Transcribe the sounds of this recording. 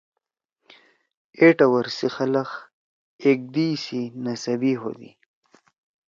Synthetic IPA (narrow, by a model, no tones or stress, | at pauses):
eʈawaɾsixalax | ek̚d̪isinasabiɦo̰d̪ḭ